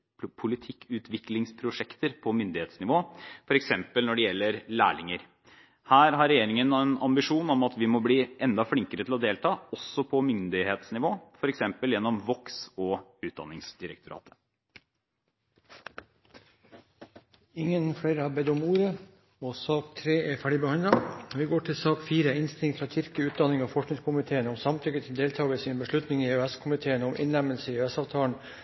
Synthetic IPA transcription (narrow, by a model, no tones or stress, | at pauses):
pʰʊlɪt̪ʰɪkʰːʉːt̪ʰʋɪklɪŋspʰɾʊʂɛkt̪əɾpʰɔmʏnd̪ɪheːt̪snɪʋoːfɔɾɛksɛmpəlnɔɖɛjɛlːəɾlæ̰ːɭɪŋəɾ | hæːɾɦɑɾɛjeːɾɪŋənɛnɑmbɪʂuːnɔmɑt̪ʋɪmɔbliːʔɛnd̪ɑfɽɪŋkəɾət̪ɪlɔd̪eːlt̪ʰɑːɔsːɔpʰɔmʏnd̪ɪheːt̪snɪʋoːfɔɾɛksɛmpəljɛnːɔmʋɔksɔʉːt̪̚d̪ɑ̰nːɪŋsd̪ɪɾəkt̪ʊɾɑ̰ːt̪ʰə̥ | ɪŋːənfɽeɪɾəhɑːɾbɛd̪ʊmuːɾə | ɔsɑːkt̪ʰɾeːɛfæːɖɪbəhɑnd̪ɑʋɪɡoːʈʰɪlsɑːkfiːɾəɪnst̪ɪŋt̪fɾɑtʏɾkəʉːt̪̚d̪ɑnɪŋoːfɔʂknɪŋskʊmɪt̪ʰeːənɔmsɑmt̪ʰʏkət̪ʰɪld̪eːlt̪ʰɑːʋəsiːnbəʂɭʉt̪nɪŋiøɛskʰʊmɪt̪ʰeːənɔmʔɪ̰nlɛməlsəiøɛsɑːʋt̪ʰɑːlɳ̩